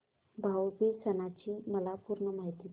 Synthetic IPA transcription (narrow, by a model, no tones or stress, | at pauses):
bʱawbisənat͡ɕiːməlapuːɾɳəmaɦit̪iː